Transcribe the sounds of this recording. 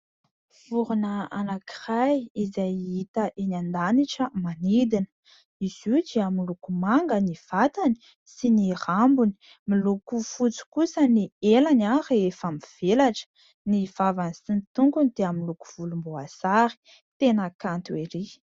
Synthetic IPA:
v̥uɾunəanaki̥rajizajit̪əʔenand̪aniʈ͡ʂəmanid̪inə̥ | iz̥ud͡ʒiamilukumaŋɡəniv̥at̪ani̥ | sinirambuni̥ | milukufut͡si̥kusənielanareefamiv̥elaʈ͡ʂə̥ | niv̥avanisinit̪uŋkunid̪̥eamiluku̥v̥ulumboasaɾi̥ | t̪enəkant̪ueɾi

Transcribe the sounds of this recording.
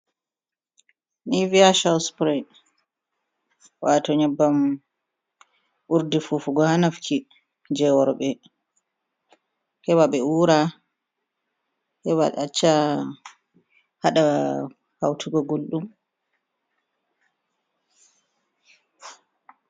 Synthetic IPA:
niviaʃawspɾɛ | watɔɲɛbːam | ʔuɾdifufuɡɔhanafkʰi | d͡ʒɛwɔɾɓɛ | hɛwaɓɛuːɾa | hɛwa̰ɗɛat͡ʃːa | haɗa | hawtʰuɡɔɡolɗum

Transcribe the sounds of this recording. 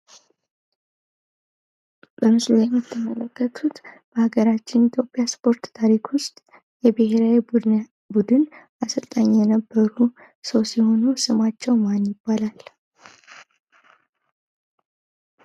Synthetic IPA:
b̥əmɨslujɛmːɨt̪ʰːəmələkːət̪ʰut̪ | b̥əhaɡəɾat͡ʃːɪnit̪ʰjo̞pʼːjaspʰo̞ɾt̪t̪ʰaɾikwʊst̪ʼ | jɛbɨhe̞ɾawi | bud̪ɨn | asɨlt̪ʼəɲːjɛnəbːəɾu | səwsiho̞nusɨmat͡ʃːɛwmanjɪbːalal

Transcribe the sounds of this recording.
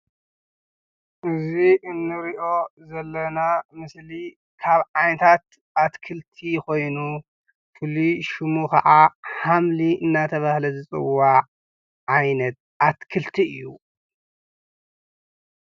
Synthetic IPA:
ʔɨzβiʔɨnːɨɾiʔo̞zɐlːɐnamɨsli | kʰaβʕajnɐt̪ʰat̪ | ʔat̪kʰɨlt̪ʰiko̞jnu | fɨliʃɨmukʰɐʕaħamliɨnːat̪ʰɐβahlɐzɨt͡sʼɨ̰wːaʕ | ʕajnɐt̪̚ʔat̪kʰɨlt̪ʰiɨ̰jːu

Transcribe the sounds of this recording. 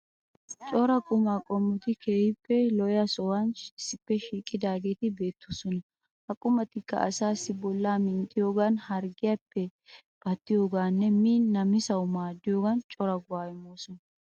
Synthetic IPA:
t͡ʃʼɔɾɐkʼʊmakʼɔmːʊt̪ɪkʰeːjɪpːɛlɔjɐsɔwɐnɪsːɪpːɛʃiːkʼːɪd̪aːɡe̞ːt̪ɪbe̞ːt̪ːosɔnɐ | hɐkʼʊmɐt̪ɪkːɐ̰ʔɐ̰saːsːɪbɔlːaːmɪnt̪ʼːɪjo̞ːɡanhɐɾɡɪjapːɛ | b̥ɐt̪ːɪjo̞ːɡaːnːɛmiːɐmɪsɐwmaːd̪ːɪjoːɡɐnt͡ʃʼɔɾɐɡʊwaːjɪmoːsɔnɐ

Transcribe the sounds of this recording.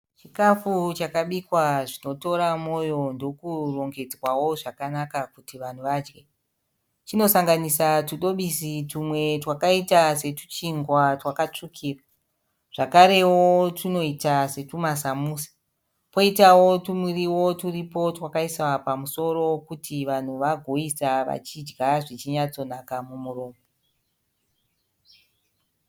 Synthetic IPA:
t͡ʃikafut͡ʃakaɓikwaʐino̞to̞ɾamo̞jo̞ndo̞kuro̞ŋɡe̞d͡zwawo̞ʐakanakakutiʋan̤uʋad͡ʒɡe̞ | t͡ʃino̞saŋɡanisatuɗo̞ɓisitumwe̞twakaitase̞tu̥t͡ʃiŋɡwatwakat͡ʂukʰiːra | ʐ̥akaɾe̞wotuno̞itase̞tumasamuːsḁ | po̞itawo̞tumwiriwo̞turipo̞twakaiswapamuso̞ro̞kutiʋan̤uʋaɡʱo̞isaʋa̰t͡ʃid͡ʒɡaʐit͡ʃiɲat͡so̞nakamumuro̞ːmbo

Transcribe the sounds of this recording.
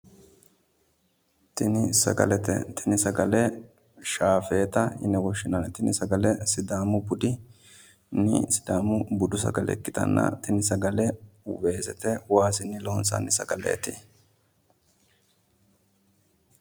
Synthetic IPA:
t̪ɪnɪsɐ̰ɡɐ̰lɛt̪ɛ̰t̪ʰɪnɪsɐɡɐlɛ | ʃaːfe̞ːt̪ɐɪnɛwɔʃːɪnɐnt̪ɪnɪsɐɡɐlɛsɪd̪aːmʊbʊd̪ɪ | nɪ̰sɪ̥d̪aːmʊbʊd̪ʊs̬ɐ̰ɡɐlɛ̰kːɪt̪ɐ̰nːɐ̰t̪ɪnɪsɐɡɐlɛwe̞ːsɛt̪ɛwaːsɪnːɪloːnsɐ̰nːɪsɐ̰ɡɐlḛːt̪ɪ

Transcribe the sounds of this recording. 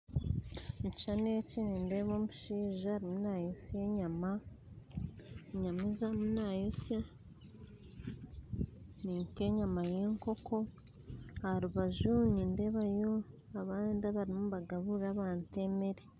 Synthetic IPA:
mʃanecinindeβoːmuʃiːʒaaɾimunaːjosjeɲama | ɲamizamunaːjosja | niːŋkeɲamaje̞ŋko̞ko̞ | haɾuβaʒuniːnde̞βajo̞ | aβaːndaβaɾimuβaɡaβuɾaβaːnte̞meɾe

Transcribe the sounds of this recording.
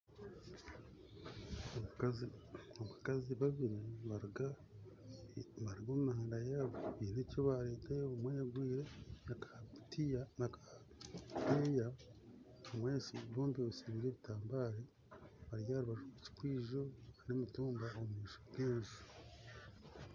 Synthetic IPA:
ouk | oβakaziβaβiɾiβaɾa | βaɾiɡomumahaːndajaβoβinecoβaɾeːteumweɡwiːɾe̞nakatijanaka | beja | omwesiβoːmbiβusiβiːɾe̞ːβitaːmbaːɾe | βaɾjaɾiβaʒuut͡ʃi̥kwiːʒo̞aɾomutuːmbaomuhiːʃobɡeːɲʒu

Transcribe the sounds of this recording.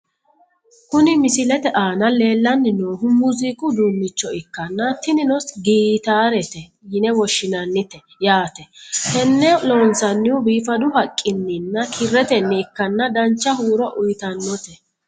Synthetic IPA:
kʊnɪmɪsɪlɛt̪ɛʔaːnɐle̞ːlːɐnːɪnoːɦʊmuzɪkʼʊd̪umːɪt͡ʃːɔɪkːɐnːɐt̪ɪnɪnɔsɡiːt̪aːɾɛt̪ɛ | jɪnɛwɔʃːɪnɐnːɪt̪ɛ | jaːt̪ɛhɛnːɛloːnsɐnːɪwʊbiːfɐd̪ʊhɐkʼːɪnːɪnːɐkʰɪrːɛt̪ɛnːɛɪkːɐnːɐd̪ɐnt͡ʃːɐhuːɾɔʔʊjt̪ɐnːɔt̪ɛ

